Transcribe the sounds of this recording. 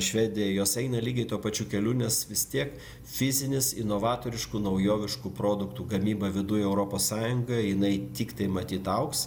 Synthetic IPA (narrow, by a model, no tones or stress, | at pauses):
ʃʲʋʲɛːd̪ʲɪjɛjoːsɛɪnɐlʲiːɡʲɛɪt̪uɔpɐt͡ʃʲuːkʲɛlʲuːnʲɛsʋʲɪst̪ʲiɛk | fʲɪzʲɪnʲɪsɪnoːʋɑːt̪oːɾʲɪʃkunɐʊjoːʋʲɪʃkupɾoːd̪ʊkt̪uːɡɐmʲiːbɐʋʲɪd̪ʊjɛʊɾoːpoːssɑːjʊŋɡɐjɪnɐɪt̪ʲiːkt̪ɐɪmɐt̪ʲiːt̪ɐʊks